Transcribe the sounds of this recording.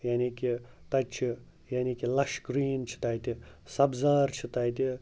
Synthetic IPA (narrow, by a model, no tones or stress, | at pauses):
jaːniki | t̪ɐt͡ʃʰi | jaːnikilɐʃkɾiːnt͡ʃʰi̥t̪ajt̪isɐbzaːɾt͡ʃʰit̪ajt̪i